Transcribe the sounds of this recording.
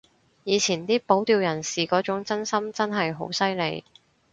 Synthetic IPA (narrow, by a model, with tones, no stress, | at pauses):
jiː˨˧t͡sʰiː˨˩nt̪iː˥po˨˥wt̪iː˧wjɐ˨˩nsiː˨kɔː˨˥t͡sʊ˨˥ŋt͡sɐ˥nsɐ˥mt͡sɐ˥nɦɐ˨jɦo̰˨˥wsɐ˥jle˨˧j